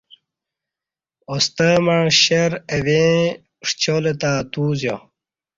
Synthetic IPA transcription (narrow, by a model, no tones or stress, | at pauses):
ost̪əmɐɻɕeɾevẽ | ʂt͡ɕolet̪aːt̪uːzjo